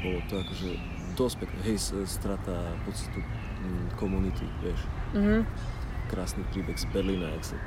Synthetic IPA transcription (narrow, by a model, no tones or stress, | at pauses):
bɔlɔt̪ɔakɔʒɛ | d̪ɔst̪pɛknɛ̰ɦɛjsst̪ɾat̪apɔst̪ḁt̪u | kɔmunit̪ḭʋɪɛʃɦ̩ | kɾaːsnipɾiːbɛɣzbɛɾliːnaɛkst̪a